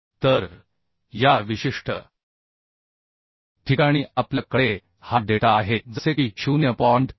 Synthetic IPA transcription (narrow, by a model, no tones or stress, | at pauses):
t̪əɾ | jaʋiɕiʂʈʰə̰ | ʈʰikaɽ̃iːapljakːəɽe | haɖeʈaːɦed͡zəsekiːɕunjəpɔɳʈ